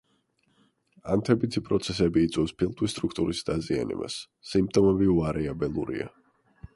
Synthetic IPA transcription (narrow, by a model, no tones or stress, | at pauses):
ant̪ʰɛbit̪ʰipʼɾɔt̪sʰɛsɛbiːt̪sʼɛfspʰilˠt̪ʼist̪ʼɾukʰt̪ʼuɾisd̪azia̰nɛ̰ba̰sː | imp̚t̪ʼɔmɛbiuaɾɛabɛlˠuɾḭa̰